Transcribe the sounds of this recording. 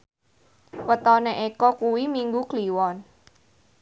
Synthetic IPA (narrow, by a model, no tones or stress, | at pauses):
wət̪ɔneʔekɔkuwimiŋɡukliwɔn